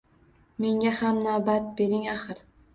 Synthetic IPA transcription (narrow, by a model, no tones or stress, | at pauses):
me̞ŋɡʲahamnawbat̪̚be̞ɾɪŋaχɨɾ